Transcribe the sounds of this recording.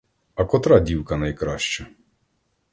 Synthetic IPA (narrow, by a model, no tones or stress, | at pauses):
ɐkɔt̪ɾɑdʲiwkɐnɐjkɾɑʃt͡ʃɔ